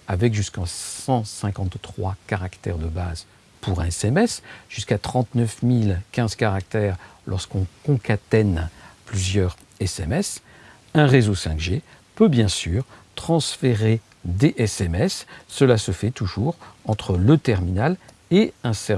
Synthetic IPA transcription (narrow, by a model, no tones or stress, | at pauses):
avɛkʒyskɑ̃sɑ̃sɛ̃kɑ̃t̪ːχwakaʁakt̪ɛʁd̪əbaz | pʰuʁɛ̃ɛsɛmɛsʒ̥yskat̪χɑ̃t̪nœfmilkʲɛ̃z̥kaʁak̚t̪ɛʁ | lʔɔʁskɔ̃kɔ̃kat̪ɛnplyzjœʁ | ɛsɛmɛs | ɛ̃ʁezosɛ̃kʒe | pøbjɛ̃syːʁt̪χɑ̃sfeʁe | d̪eʔɛsɛmɛsːəlasəfɛt̪uʒuʁɑ̃t̪χələt̪ɛʁminal | eɛ̃sɛ